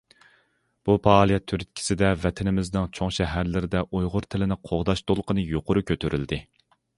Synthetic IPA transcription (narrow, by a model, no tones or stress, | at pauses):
b̥upʰɑːlˠijɛt̪ʰːyɾyt̪̚kʲʰi̥sɪd̪ɛvɛt̪ʰɪnɪmɪznɪŋt͡ʃʰoŋʃɛɦæɾlɪɾɪd̪ɛʔojʁʊɾt̪ʰɪlɪnɪqʰoʁd̪ɑʃt̪olˠqʰənɨjoqʰʊɾukʲʰøt̪ʰyɾyld̪ɪ